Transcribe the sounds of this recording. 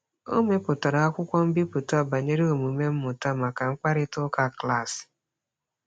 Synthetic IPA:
o̰˦me˦pʊ˨ta˨ɾa˨a˦kʷʊ˦kʷɔ˦m̩˦bi˦pʊ˨tʊ˦a˨ba˨ɲe˦ɾe˦o˨mu˨me˦m̩˦mʊ˨ta˦˨ma˨ka˨ŋ̩˦k͡pa˦ɾɪ˦tʊ˦ka˦kla˦˨sɪ̥˨

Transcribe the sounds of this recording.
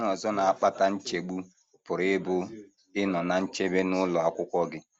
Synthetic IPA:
nɔ˨zɔ˦na˨a˨k͡pa˦ta˨n̩˦t͡ʃe˨ɡ͡bu˦ | pʊ˨ɾɪ˦bʊ˦ | ɪ˦nɔ˨na˨n̩˦t͡ʃe˦be˦nʊ˦lɔ˨a˨kʷʊ˦kʷɔ˦ɡɪ˦

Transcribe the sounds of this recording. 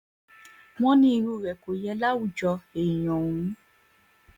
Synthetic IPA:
w̃ɔ̃˦nĩ˦i˧ɾu˧˨ɾɛ˨ko˨jɛ˧la˦wu˦˨d͡ʒɔ˧e˨j̃ɔ̃˨wũ˨˦

